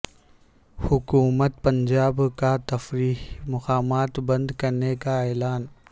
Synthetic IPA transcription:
hʊkuːmət̪̚pɐ̃nd͡ʒaːbkat̪ɐfɾiːɦmɐqaːmaːt̪bɐ̃nd̪kɐɾnekaeːlaːn

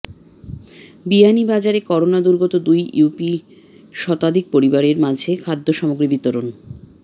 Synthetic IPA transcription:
bianibad͡ʑaɾekɔɾonad̪uɾɡot̪od̪ujupi | ʃɔt̪ad̪ʱik̚poɾibaɾeɾmad͡ʑʱekʰad̪ʱːoʃɔmoɡɾibit̪oɾon

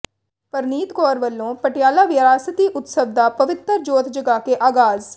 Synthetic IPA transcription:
pəɾniːt̪koːɾʋəlːõːpəʈjaːlaːʋɪəɾaːsət̪iːʔʊt̪səʋd̪aːpəʋɪt̪ːəɾd͡ʒoːt̪d͡ʒəɡaːkeːʔaːɡaːz

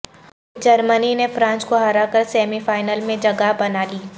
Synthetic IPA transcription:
d͡ʒɐɾməninefɾãːnskoɦɐɾakəɾsɛːmifaːɪnəlmẽd͡ʒɐɡaɦbɐnaːliː

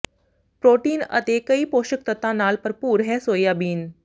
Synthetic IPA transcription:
pɾoːʈiːnə̰t̪ekəiːpoːʃək̚t̪ət̪ãnaːlpəɾpuːɾɦɛsoːjaːbiːn

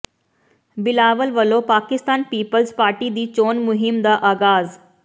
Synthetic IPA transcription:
bɪlaːʋəlʋəlopaːkɪst̪aːnpiːpəlzpaːɾʈid̪iːt͡ɕoːnmʊɦɪmd̪aʔaːɡaːz

